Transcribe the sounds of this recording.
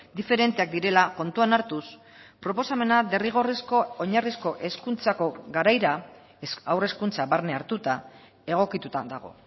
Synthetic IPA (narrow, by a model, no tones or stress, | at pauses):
d̪ife̞ɾe̞nt̪e̞ak̚d̪iɾe̞lako̞nt̪uanaɾt̪us | pɾo̞po̞same̞nad̪e̞riɣ̞o̞risko̞oɲarisko̞ʔe̞skunt͡sako̞ɣaɾajɾa | awre̞skunt͡saβaɾneaɾt̪ut̪a | e̞ɣ̞o̞kit̪ut̪ad̪aɣ̞o̞̰